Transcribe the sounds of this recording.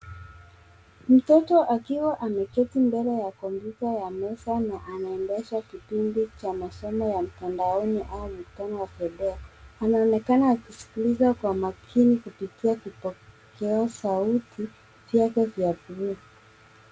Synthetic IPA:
m̩tɔtɔʔakiwaʔamɛkɛtimbɛlɛjakɔmpjutajamɛsanaʔanaɛndɛʃakipindit͡ʃamasɔmɔjam̩tandaɔniʔaumuku̥tanɔwafɛɗɛaanaɔnɛkanaːkisi̥kilizakwamakʰinikupitiakipɔkʰɛɔsautʰi | vjakɛvjapuɾu

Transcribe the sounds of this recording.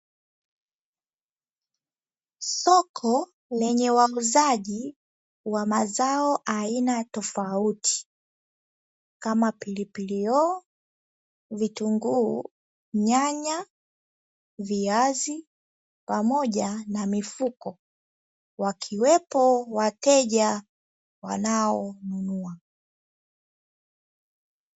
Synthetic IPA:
sɔkʰɔ | lɛɲɛwauzaʄi | wamazaɔʔainatɔfautʰi̥ | kamapilipiliɔ | vituŋɡuː | ɲaɲa | viazi | pamɔʄanamifukɔ | wakʰiwɛpɔwatɛʄa | wa̰naɔnunua

